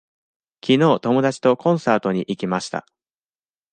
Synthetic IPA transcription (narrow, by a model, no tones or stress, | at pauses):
kʲino̞ːt̪o̞mo̞d̪at͡ɕi̥t̪o̞kõ̞ɰ̃saːt̪o̞ɲ̟iʔikʲimaɕi̥t̪a̰